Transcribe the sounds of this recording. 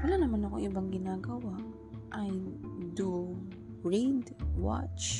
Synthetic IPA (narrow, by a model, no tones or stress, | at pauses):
wɐlaːnɐmanɐko̞̰ʔɪbaŋɡɪnaːɡɐwaʔ | ʔɐjd̪u | bɹid̪wa̰t͡ʃ